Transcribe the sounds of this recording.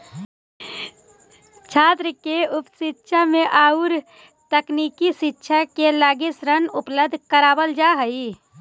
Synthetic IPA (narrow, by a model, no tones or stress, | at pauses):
t͡ʃʰaːt̪ɾəkeʊpsɪtːʃʰamẽʔaːuɾ | t̪əkniːkiʃɪtːʃʰakelaːɡɪsɾənʊpləbd̪ʱkəɾaːbəld͡ʒaɦəi